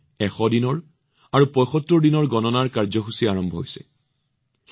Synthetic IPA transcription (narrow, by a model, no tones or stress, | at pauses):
ɛxɔdinɔɹ | aɹupɔjxɔtːɔɹdinɔɹɡɔnɔnaɹkaɹzɔxusiaɹɔmbʱɔɦojsɛ̰